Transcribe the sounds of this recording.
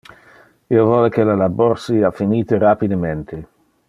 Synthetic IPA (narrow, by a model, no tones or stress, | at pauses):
iovɔːlekelalaborsiafiniːt̪eɾapid̪ement̪ʰe